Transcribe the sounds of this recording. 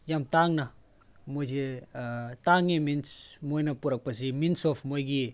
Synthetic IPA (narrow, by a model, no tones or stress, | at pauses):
jamtaŋnɐ | mojd͡ʒe | taŋeminsmojnɐpuɾɐk̚pas̬iminsɔfmojɡi